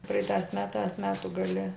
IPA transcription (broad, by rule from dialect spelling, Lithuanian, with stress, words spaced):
ˈprɐɪtɑːs ˈmʲæːtɑːs ˈmʲæːtʊ ɡɐˈlʲɪ